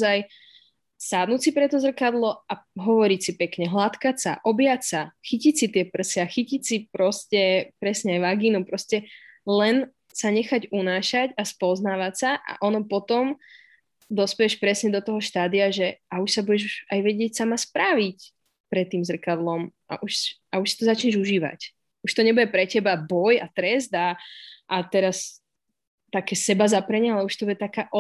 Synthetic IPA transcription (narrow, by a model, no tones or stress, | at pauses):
zaj | saːd̪nusipɾɛt̪ɔzr̩kad̪lɔaɦɔʋɔɾicsipɛkɲɛɦlat̪kasa̰ʔɔbjasaxicicsit̪ɪɛpr̩siaxicicsipɾɔscɛpɾɛsɲɛajʋaɡiːnupɾɔscɛlɛn | saɲɛxaɟunaːʃacaspɔznaːʋatsaʔa̰ʔɔnɔpɔt̪ɔm | d̪ɔspɛjɛʃpɾɛsɲɛd̪ɔt̪ɔɦɔʃt̪aːd̪iaʒɛauʃsabuɟɛʒajʋɛɟɪɛcsamaspɾaʋic | pɾɛt̪ːiːmzr̩kad̪lɔmʔa̰ʔuʃʔauʃsi̥t̪ɔzat͡ʃɲɛʒuʒiːʋa̰c | uʃt̪ɔɲɛbuɟɛpɾɛcɛbabɔjat̪ɾɛzd̪aʔːt̪ɛɾas | t̪akɛːsɛbazapɾɛɲɛalɛuʃt̪ɔbuɟɛt̪akaːʔɔ